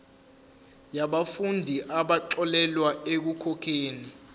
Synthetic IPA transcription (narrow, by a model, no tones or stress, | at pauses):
jaɓafundʱiʔaɓaǁɔlɛlwaek̬ukʰɔkʰeːni